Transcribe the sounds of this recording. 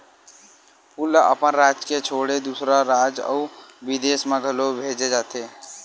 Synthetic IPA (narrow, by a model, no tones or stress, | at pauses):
puləʔəpənɾaːd͡ʒket͡ʃʰoːɽed̪usɾaɾaːd͡ʒə̰uʋid̪eːsmẽɡʱəlobʱeːd͡ʒed͡ʒaːt̪e